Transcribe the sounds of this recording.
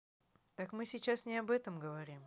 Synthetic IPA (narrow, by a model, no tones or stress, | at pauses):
t̪akmɨsʲɪt͡ɕːasnʲɪɐbɛt̪əmɡəvɐɾʲim